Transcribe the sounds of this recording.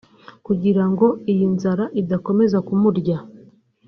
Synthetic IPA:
kuɟiɾaŋɡo̞ijinzaɾaʔidako̞me̞zakumuɾɟa

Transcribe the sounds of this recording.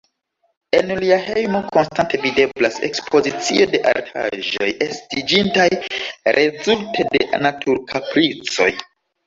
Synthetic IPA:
e̞nliahejmo̞ko̞nstante̞vide̞blase̞̰kspʰo̞zit͡sio̞de̞ʔa̰ɾtʰa̰ʒo̞̰jestid͡ʒintajɾʔe̞zultʰe̞de̞̰natʰuɾkʰapɾit͡so̞̰j

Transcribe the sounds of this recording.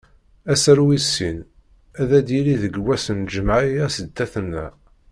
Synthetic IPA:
æsəɾwisːin | æðæd̪iliðəɡwæsənd͡ʒəmaʕijæsəd̪ːæθənːæ̰

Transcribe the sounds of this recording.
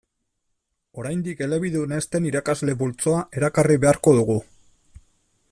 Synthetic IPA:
o̞ɾajnd̪ike̞le̞βiðune̞st̪e̞niɾakazle̞βult͡so̞aʔe̞ɾakariβe̞aɾko̞ðuɣu

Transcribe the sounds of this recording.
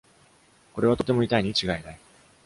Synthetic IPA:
ko̞ɾe̞β̞at̪o̞t̪e̞mo̞it̪aiɲ̟it͡ɕiɡaenai

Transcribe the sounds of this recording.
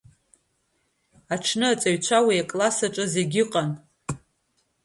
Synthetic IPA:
aʈ͡ʂʰnɨat͡sʼaɥt͡ʃʷʰawiakʼlasaʈ͡ʂʼɨze̞ɡʲɪqʼan

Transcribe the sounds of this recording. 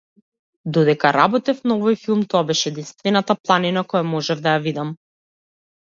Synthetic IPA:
d̪ɔd̪ɛkaɾabɔt̪ɛfnaɔvɔjfilˠmt̪ɔabɛʃɛɛd̪inst̪vɛnat̪aplˠaninakɔjamɔʒɛvd̪ajavid̪am

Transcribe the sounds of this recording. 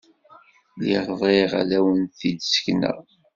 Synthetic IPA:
liʁðˤeʁa̰læwənθid̪sə̥çnə̰ʁ

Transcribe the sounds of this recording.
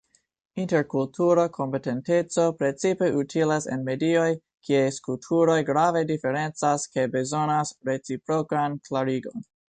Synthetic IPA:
inte̞ɾkultʰuɾokʰo̞mpe̞te̞nte̞t͡so̞pɾe̞t͡sipe̞ʔutʰilasḛnme̞dio̞j | kʰiejskultʰuɾo̞jɡɾave̞dife̞ɾe̞nt͡saske̞be̞zo̞nasɾe̞t͡sipɾokanklaɾiɡo̞n

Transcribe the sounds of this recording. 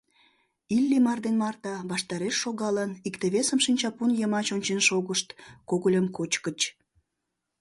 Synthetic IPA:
ilʲːimɑrd̪enmɑrt̪ɑβɑʃt̪ɑɾeʃːoɣɑlənikt̪eβesəmʃinʲt͡ɕɑpunjəmɑt͡ɕonʲt͡ɕenʃoɣəʃt̪koɣəlʲəmkot͡ɕkət͡ɕ

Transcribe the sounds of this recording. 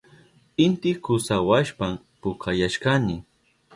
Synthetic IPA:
ɪnt̪ɪkʊsawaʃpam | pʊkʰajaʃkanɪ

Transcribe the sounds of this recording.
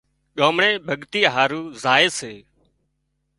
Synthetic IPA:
ɠoːmɳẽːbʱəɠt̪iːɦaːɾuːzaːeːseː

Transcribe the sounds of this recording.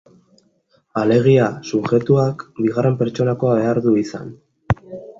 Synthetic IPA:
ale̞ɣ̞iasuʝe̞t̪uakbiɣ̞are̞mpe̞ɾt͡ʃo̞nako̞aβe̞aɾðuisa̰n

